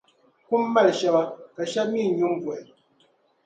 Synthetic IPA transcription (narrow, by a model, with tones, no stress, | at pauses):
ku˦mː˦a˦˨lʃa˨ba˨ka˨ʃa˦p̚mi˦˨ɲu˦mvwɛ˨